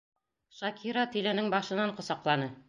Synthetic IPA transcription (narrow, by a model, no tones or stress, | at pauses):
ʃɑkʰiɾɑt̪ilɘ̆nɘŋbɑʃɤ̆nɑɴqŏsɑqlˠɑnɤ